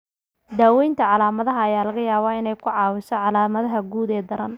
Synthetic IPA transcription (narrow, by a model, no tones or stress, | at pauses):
d̪aːwɛjnt̪ʰɐʕɑlaːmɐðɐɦɐːjaːlɐɣɐjaːβɐɪnɛjkʰʊʕɑːwɪsɔʕɑlaːmɐðɐɦɐɡuːd̪ɛːd̪ɐɾɐn